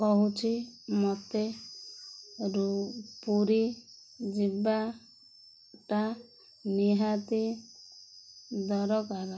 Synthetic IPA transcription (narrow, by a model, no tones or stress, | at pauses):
kɔɦut͡ʃʰimɔt̪e | ɾupuɾi | d͡ʒiba | ʈa | niɦat̪i | d̪ɔɾɔkaɾɔ